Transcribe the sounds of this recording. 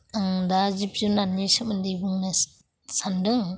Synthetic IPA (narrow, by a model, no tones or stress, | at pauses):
aŋdazip̚zunanːisamɯndibɯŋna | sandɯŋ